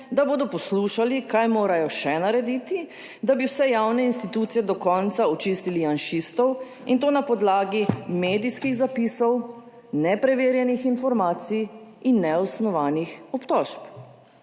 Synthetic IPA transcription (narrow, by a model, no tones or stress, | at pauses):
d̪aboːd̪ɔpɔsluːʃalikajmoːɾajɔʃɛnaɾɛd̪it̪i | d̪abiwsɛjawnɛinst̪it̪uːt̪sijɛd̪ɔkɔnt̪saɔt͡ʃist̪ilianʃist̪ɔw | int̪oːnapɔd̪laːɡimeːd̪iskixzapisɔw | nɛpɾɛʋeːɾjɛnixinfɔɾmaːt̪sijinːɛɔsnɔʋaːnixɔpt̪ɔʃp